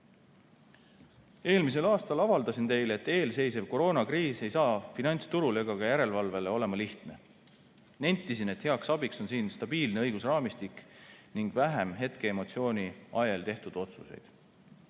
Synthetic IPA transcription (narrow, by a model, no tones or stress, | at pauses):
e̞ːlmis̬e̞lɑːst̪ɑlɑvɑld̪ɑsint̪e̞jlet̪ːˑe̞ːlse̞jse̞vko̞ɾo̞ːnɑkriːse̞jsɑːfinɑnʲt̪st̪uɾule̞ɡɑɡɑjæɾe̞lvɑlve̞le̞o̞le̞mɑliht̪ne̞ | nænʲt̪ːˑisine̞t̪he̞ɑksɑbikso̞nsiːnst̪ɑb̥iːlne̞ɤjɡ̥usrɑːmist̪ikniŋɡ̥væɦemɦe̞t̪ke̞emo̞t̪sio̞ːnʲiɑjelt̪e̞ht̪ud̪̥o̞t̪suse̞̰jd̪̥